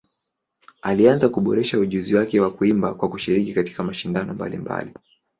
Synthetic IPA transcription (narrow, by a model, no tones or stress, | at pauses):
alianzakuɓɔɾɛʃauʄuziwakɛwakuimbakwakuʃiɾikikati̥kamaʃindanɔmba̰lḭmba̰li